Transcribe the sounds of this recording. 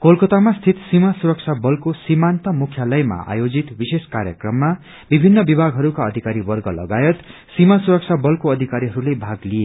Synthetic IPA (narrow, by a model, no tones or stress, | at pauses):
kolkʌt̪amast̪ʰit̪simasuɾʌk̚t͡ʃʰabʌlkosimant̪ʌmukʰjalʌjma̰a̰jod͡zit̪biseskaɾjʌkrʌmːa | bibʱinːʌbibʱaɡɦʌɾukaʌd̪ʱikaɾibʌrɡʌlʌ̰ɡajʌt̪ | simasuɾʌk̚t͡sʰabʌlkoʌd̪ʱikaɾiɦʌɾulebʱaɡlije